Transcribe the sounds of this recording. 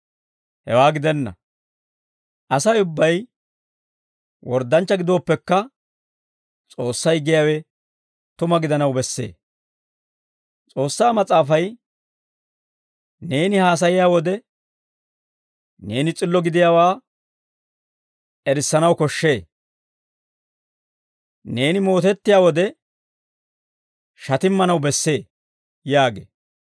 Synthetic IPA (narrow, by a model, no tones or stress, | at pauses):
hɛ̰waːɡɪd̪ɛnːɐ̰ | ʔɐsɐjʊbːɐj | wɔɾd̪ɐnt͡ʃːɐɡɪd̪o̞ːpːɛkːɐ | t͡sʼo̞ːsːɐjɡɪjaːwɛ | t̪ʊmɐɡɪd̪ɐnɐwbɛsːe̞̰ː | t͡sʼo̞ːsːaːmɐt͡sʼaːfɐj | ne̞ːnɪhaːs̬ɐjɪjaːwɔd̪ɛ | ne̞ːnɪt͡sʼɪlːɔɡɪd̪ɪjaːwaː | ɛɾɪsːɐnɐwkɔʃːe̞ː | ne̞ːnɪmo̞ːt̪ɛt̪ːɪjaːwɔd̪ɛ | ʃɐt̪ɪmːɐnɐwbɛsːe̞ː | jaːɡḛː